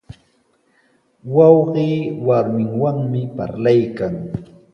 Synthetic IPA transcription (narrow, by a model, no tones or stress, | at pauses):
wɑwɢiːwaɾmɪŋwaŋmɪpa̰ɾlajkaŋ